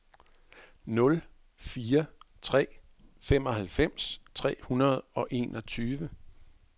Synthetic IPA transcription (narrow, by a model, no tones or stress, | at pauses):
nɔ̽l | fiːɐt͡sʰʁɛ̰ː | fem̰ɒ̽hælfem̰st͡sʰʁɛ̰ːhunɐð̞̩ˠɒ̽ʔe̝̰ːnʔɒ̽t͡sʰyːʋə